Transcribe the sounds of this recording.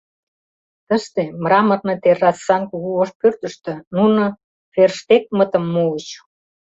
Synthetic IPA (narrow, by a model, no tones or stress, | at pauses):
t̪ə̆ʃt̪emrɑmə̆rnɤ̆t̪erːɑsːɑnkuɣuoʃpørt̪ə̆ʃt̪ɤ̆nunŏ | ferʃt̪ek̚mət̪ə̆mːuət͡ɕ